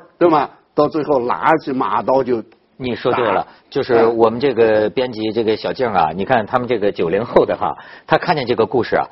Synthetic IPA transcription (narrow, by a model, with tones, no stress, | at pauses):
t̪we˥˩ɪbɐ˩ | t̪ɑ˥˧ʊt͡swe˥˧ɪxo˥˩ʊla̰˧˥t͡ɕʰi˥˩ma̰˨˩t̪ɑ˥ʊt͡ɕjo˥˧ʊ | ni˨˩ʂwɔ˥t̪t̪we˥˩lə̰˩t͡ɕjo˥˧ʊʂɻ̩˥˩wɔ˨˩mə˦nʈ͡ʂɤ˥˩ɡə˩pjɛ˥nt͡ɕi˧˥ʈ͡ʂɤ˥˩ɡə˩ɕjɑ˨˩ʊt͡ɕjɛ˥˩ŋɐ̰˩ni˨˩kʰa˥˩nt̪ʰa˥mə˨nʈ͡ʂɤ˥˩ɡə˩t͡ɕjo˨˩ʊljɛ˧˥nxo˥˩ʊd̪ə˩xa̰˥˩t̪ʰa˥kʰa˥˧nt͡ɕjɛ˥˧nʈ͡ʂɤ˥˩ɡə˩ku˥˧ʂɻ̩˥˩ɐ̰˩